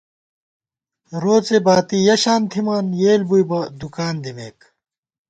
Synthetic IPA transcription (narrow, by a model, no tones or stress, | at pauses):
ɾoːt͡sebaːt̪ijɐɕaːnt̪ʰimaːnjeːlbujbɐd̪ukaːnd̪imeːk